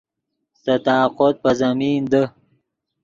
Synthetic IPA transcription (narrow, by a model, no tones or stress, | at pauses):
sɐt̪ɑːqod̪̚pɐzɐmiːnd̪ə